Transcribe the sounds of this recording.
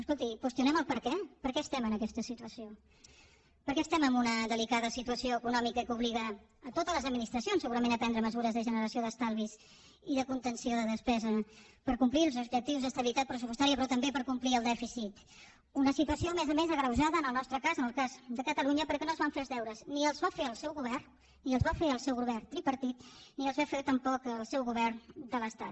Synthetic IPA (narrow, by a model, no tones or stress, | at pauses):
əskolˠt̪ikwəst̪iunɛməlˠpəɾkɛpəɾkɛəst̪ɛmənəkɛst̪əsit̪uəsio | pəɾkɛəst̪ɛməmbunəðəlikaðəsit̪uəsioəkunɔmikəkuβliɣəː | t̪ot̪ələzəd̪minist̪ɾəsjonsːəɣuɾəmenəpɛnd̪ɾəməzuɾəzðəʒənəɾəsijoðəst̪alˠβiz | iðəkunt̪ənsioðəðəspɛzə | pəɾkumplilˠzubʒək̚t̪iwzðəst̪əβilit̪at̪̚pɾəsupust̪aɾiəpɾɔt̪əmbepəɾkumpliəlˠd̪ɛfisit̪ | unəsit̪uəsiomezəmezəɣɾəwʒaðəːnəlˠnɔst̪ɾəkazənəlˠkazd̪əkət̪əluɲəpəɾkɛnozβaɱfelzðɛwɾəzniəlˠzβafeəlˠsɛwɣuβɛr | niəlˠzβafeəlˠsɛwɣuβɛrt̪ɾipəɾt̪it̪niəlˠzβafet̪əmpɔkəlˠsɛwɣuβɛrnd̪ələst̪at